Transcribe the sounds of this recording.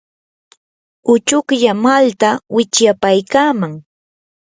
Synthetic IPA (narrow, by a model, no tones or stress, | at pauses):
ʊt͡ʃʊkʎamalt̪awɪt͡ʃjapajkaːmaŋ